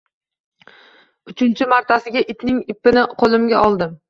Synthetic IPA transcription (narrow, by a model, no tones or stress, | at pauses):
ʊt͡ʃʰɪnt͡ʃʰɪmaɾt̪ʰasɪɡʲaʔɪt̪nɪŋɪpːɪnɪqʰolˠɪmɡʲaɒlˠd̪ɪm